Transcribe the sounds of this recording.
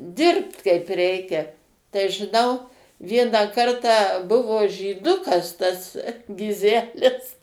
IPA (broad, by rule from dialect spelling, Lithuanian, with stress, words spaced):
ˈdʲɪrpt ˈkɐɪp ˈrʲɛɪkʲɛ tɐɪ ʒʲɪˈnɐʊ ˈʋʲiɛnɑː ˈkɐrtɑː ˈbʊʋoː ʒʲiːˈdʊkɐs tɐs ɡʲɪˈzʲæːlʲɪs